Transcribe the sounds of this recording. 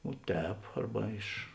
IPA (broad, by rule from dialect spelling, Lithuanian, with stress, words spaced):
oː ˈtʲɛːp ˈɐrbɐ ɪʃ